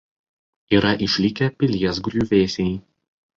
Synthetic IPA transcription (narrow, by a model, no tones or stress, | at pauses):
iːɾɐʔɪʃʲlʲikʲɛpʲɪlʲiɛsɡɾʲuːʋʲeːsʲɛɪ